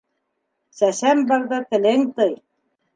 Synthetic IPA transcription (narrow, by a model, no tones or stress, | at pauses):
sæsæmbɑɾðɑt̪ɘ̆lɘŋt̪ɤj